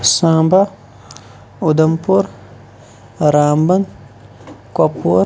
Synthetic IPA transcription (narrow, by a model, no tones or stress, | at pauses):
sãːmba | ud̪ɐmpuɾ | ɾaːmbɐn | kɐpu